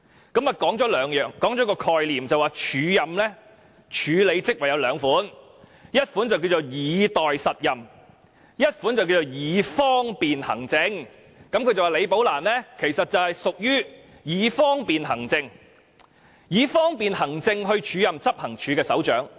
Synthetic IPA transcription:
kɐ˨˥mɐ˨˩kɔː˨˥ŋt͡ʃɔː˨˥lœː˨˧ŋjœː˨ŋkɔː˨˥ŋt͡ʃɔː˨˥kɔː˧kʰɔː˨˧jliː˨˩mt͡sɐ˨waː˨t͡ʃʰyː˨˧jɐ˨mlɛː˥ | t͡ʃʰyː˨˧le˨˧jt͡sɪ˥k̚wɐ˨jɐ˨˧wlœː˨˧ŋfuː˨˥n | jɐ˥t̚fuː˨˥nt͡sɐ˨wki˧wt͡so˨wjiː˨˧t̪ɔː˨jsɐ˨t̚jɐ˨m | jɐ˥t̚fuː˨˥nt͡sɐ˨wkiː˧wt͡so˨wjiː˨˧fɔː˥ŋpiː˨nhɐ̰˨˩ŋt͡sɪ˧˥ŋ | kɐ˨˥mkʰɵ˧ɥt͡sɐ˨waː˨le˨˧jpo˨˥wlaː˨˩nlɛː˥kʰe˨˩jsɐ˨t̚t͡sɐ˨whɐ˨jsʊ˨k̚jyː˥ | jiː˨˧fɔː˥ŋpiː˨nɦɐ˨˩ŋt͡sɪ˧ŋ | jiː˨˧fɔː˥ŋpiː˨nhɐ˨˩ŋt͡sɪ˧ŋɦɵ˧ɥt͡ʃʰyː˨˧jɐ˨mt͡sɐ˥p̚hɐ˨˩ŋt͡ʃʰyː˨˧kɛː˧sɐ̰˨˥wt͡ʃœ̰ː˨˥ŋ

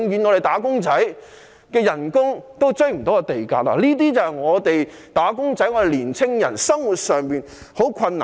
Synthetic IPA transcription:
ŋjyː˨˧nŋɔː˨˧ɾe˨jt̪aː˨˥kʊ˥ŋt͡sɐ˨˥j | kɛː˧jɐ˨˩nkʊ˥ŋt̪o˥wt͡sɵ˥ɥm̩˨˩t̪o˨˥ɡɛ˧t̪e˨jka̰ː˧k̚la̰ː˨liː˥t̪̬iː˥t͡sɐ˨whɐ˨jŋɔː˨˧t̪e˨j | t̪aː˨˥kʊ˥ŋt͡sɐ˨˥jŋɔː˧ɾe˨liː˨˩nt͡sʰɪ˥ŋjɐ̰˨˩nsɐ˥ŋwu˨t̚sœː˨ŋpiː˨n | ho˨˥wkʷʰɐ˧nːa̰˨

